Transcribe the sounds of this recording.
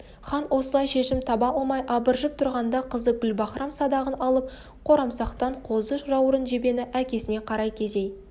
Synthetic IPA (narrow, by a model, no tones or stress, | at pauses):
χɑnwʔo̞səlˠɑjʃe̞ʃɪmt̪ʰɑbɑlˠmɑjʔɑbəɾʒəp̚t̪ʰʊɾʁɑnd̪ɑqʰəzək̚bʲɪlbɑχɾʔɑmsɑd̪ɑʁənɑlˠəp̚ | qʰo̞ɾɑmsɑqt̪ɑɴqʰo̞zəʃʒɑwəɾənʒe̞be̞nɪʔækʲe̞sɪne̞qʰɑɾɑjkʲʰe̞ze̞j